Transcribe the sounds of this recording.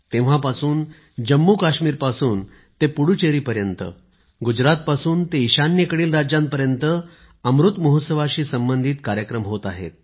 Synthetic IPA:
t̪ẽʋ̤apasuːn | d͡ʑəmːukaɕmiːɾpasuːn | t̪epuɽut͡ɕeɾiːpəɾjənt̪ə̰ | ɡud͡ʑɾat̪̚pasuːnt̪eiɕanjekəɽiːlɾad͡ʑjãmpəɾjənt̪ə | əmɾut̪məɦot̪səʋaɕiːsəmbənd̪ʱiːt̪kaɾjəkɾəmɦot̪aɦḛt̪̚

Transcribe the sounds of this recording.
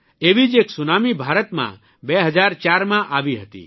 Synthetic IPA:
eːʋid͡ʒeksunaːmibʱaːɾət̪mã̰ | bɛɦəd͡ʒaːɾt͡ʃaːɾmãʔaːʋiɦət̪ḭː

